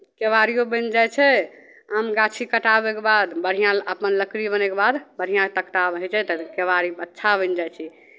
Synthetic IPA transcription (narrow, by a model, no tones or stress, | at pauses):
keʋaɾijobənd͡ʒat͡ʃʰɛ | əmɡat͡ʃʰikəʈabekebad̪bəɽ̤ijãəpənləkɾibənekebad̪bəɽ̤ijãt̪əkt̪abɦɛt͡ʃʰɛt̪əkeʋaɾiətːʃʰabənd͡ʒajt͡ʃʰi